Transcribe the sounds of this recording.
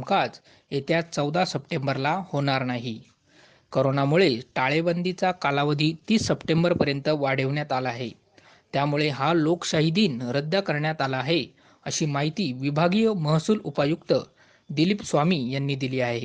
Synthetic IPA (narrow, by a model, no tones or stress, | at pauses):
mkat͡s | et̪jat͡səwd̪asəpʈembəɾlahoɽ̃aɾnaɦi | koɾonamuɭeʈaɭebənd̪it͡sakalaʋəd̪ʱiːt̪iːsːəpʈembəɾpəɾjənt̪əʋaɽ̤eʋɳjat̪alaɦe | t̪jamuɭeɦalokɕaɦid̪iːnɾəd̪ːakəɾɳjat̪alaːɦe | əɕiːmaɦit̪iːʋibʱaɡijəməɦsuːlupəjukt̪ə | d̪ilipsʋamiːjanːiːd̪iliːaɦe